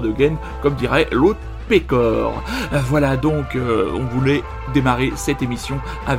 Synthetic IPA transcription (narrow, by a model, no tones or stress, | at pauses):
d̪əɡɛn | kɔmd̪iʁɛlot̪ | pekɔʁvwalad̪ɔ̃køɔ̰̃vulɛ | d̪emaʁesɛt̪emisjɔ̃ | av